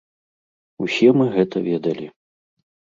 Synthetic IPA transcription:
usʲɛmɨɣɛt̪ɐvʲɛd̪ɐlʲi

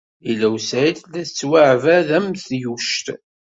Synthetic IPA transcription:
ilæwsæiθlæt͡sːwaʕvæðæmθjuʃt̪

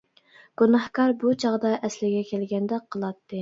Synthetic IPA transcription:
ɡ̥unɑhkɑɾbut͡ʃʰɑʁd̪ɑʔɛslɪɡʲɛkʲʰɛlɡʲɛnd̪ɛqʰəlˠɑt̪ːɨ

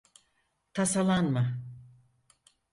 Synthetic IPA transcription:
t̪ʰasalˠanma

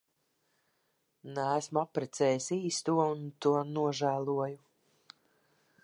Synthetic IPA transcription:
næːsmuapːɾɛt̪sɛːjisiːst̪uɔunt̪uɔnuɔʒæːlˠuɔju

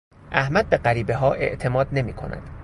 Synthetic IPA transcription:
ʔæhmæd̪̚be̞ɢæɾiːbe̞ɦɒːʔe̞̰ʔt̪ʰe̞mɒːd̪ne̞miːkʰo̞̰næ̰d̪̥

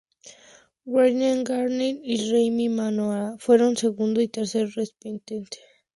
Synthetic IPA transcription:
ɡweɾnaŋɡaɾnenirejmimanoafweɾonseɣund̪oit̪eɾseɾrespint̪ent̪ʰe̥

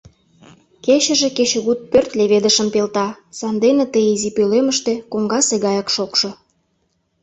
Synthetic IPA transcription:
keɕə̆ʒĕket͡ɕə̆ɣut̪̚pørt̪leβed̪əʃə̆mpelt̪ɑsɑnd̪enĕt̪əjizipøleməʃt̪ĕkoŋɡɑseɣɑjɑkʃokʃŏ

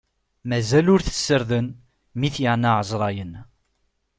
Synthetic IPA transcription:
mæzælʊɾθə̥sːəɾðən | miθjəʕnaʕəzˤɾˤɑjən

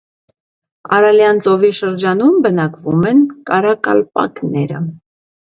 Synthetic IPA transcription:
ɑɾɑljɑnt͡sɔviʃəɾd͡ʒɑnumbənɑkvumɛnkɑɾɑkɑ̰lpɑ̰knɛɾə̰

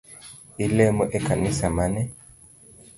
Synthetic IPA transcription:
ilɛmɔʔɛkanisamanɛ

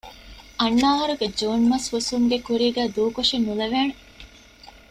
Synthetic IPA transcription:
ʔɐnːaːɦɐɾuɡed͡ʒoːnmɐshusuŋɡekuɾiːɡæːd̪uːkoʃinːulɐʋeːne

